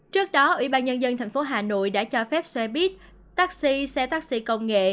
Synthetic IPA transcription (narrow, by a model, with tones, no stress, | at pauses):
t͡ɕɨ˦˥ək̚ɗɔ˨˦ʔwḭ˧˩ɓaː˧nɲə˧nzə˧nt̪ʰɛ˨˩jŋ̟fo˨˦ɦaː˨˩no̰˧˨jɗa̰ː˧˥t͡ɕɔ˧fɛ˦˥p̚swɛ˧ɓi˦˥ət̚ | t̪aː˦˥k̚si˧sɛ˧t̪aː˦˥k̚sḭ˧kə˧wŋ͡mŋḛ˧˨